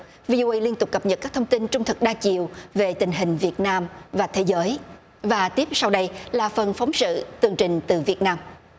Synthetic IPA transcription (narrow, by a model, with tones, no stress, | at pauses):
vi˧ʔo˧ʔə˧jli˧ənt̪ʊ˨˩k͡p̚kə˨˩p̚ɲə˨˩t̚kaː˦˥k̚t̪ʰə˧wŋ͡mt̪i˧nt͡ɕʊ˧ŋ͡mt̪ʰɨ˨˩k̚ɗaː˧t͡ɕḭ˨əwve˨˩t̪ï˨˩ŋ̟ɦï˨˩ŋ̟vi˨˩ət̚naː˧mvaː˨˩t̪ʰe˨˦zəː˨˦j | vaː˨˩t̪i˦˥əp̚sa˧wɗə˧jlaː˨˩fə˨˩nfɔ˨˦wŋ͡msɨ̰˧˨t̪ɨ˧˩əŋt͡ɕï˨˩ŋ̟t̪ɨ˨˩vi˨˩ət̚naː˧m